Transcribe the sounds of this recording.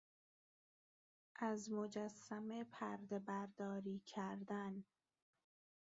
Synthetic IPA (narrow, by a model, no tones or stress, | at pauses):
ʔæzmo̞d͡ʒæsːæmepʰæɾd̪ebæɾd̪ɒːɾiːcʰæɾd̪æn